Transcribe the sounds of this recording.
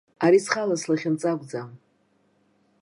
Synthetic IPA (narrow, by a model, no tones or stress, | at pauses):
aɾisχalaslaχʲɪnt͡sʼakʷd͡zam